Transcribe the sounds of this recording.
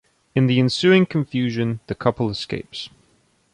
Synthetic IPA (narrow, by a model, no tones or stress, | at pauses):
ɨ̃nðiɨ̃nsʉɪ̃ŋkʰɨ̃ɱfjʉʒɨ̃nðɨkʰʌpl̩ˠəskḛɪps